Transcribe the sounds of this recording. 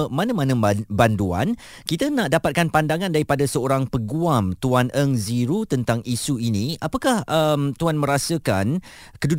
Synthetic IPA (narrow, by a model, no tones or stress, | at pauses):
mãnãmãnə̃nbandua̰n | kit̪anãʔdapat̪̚kanpandaŋãndaɾipadasəoɾaŋpəɡuamt̪uanʔəŋziɾut̪ənt̪aŋʔisuinĩʔapakahʔəmt̪uanmə̃ɾasəkan | kədu